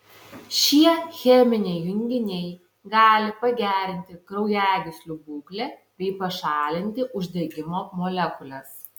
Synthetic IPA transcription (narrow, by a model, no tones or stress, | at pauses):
ʃʲiɛxʲɛmʲɪnʲɛɪjʊŋʲɡʲɪnʲɛɪ | ɡɑːlʲɪpɐɡʲæːɾʲɪnʲt̪ʲɪkɾɐʊjæːɡʲɪsʲlʲʊbuːklʲeb̥ʲɛɪpɐʃɑːlʲɪnʲt̪ʲɪʔʊʒʲd̪ʲɛɡʲɪmoːmɔlʲɛkʊlʲɛs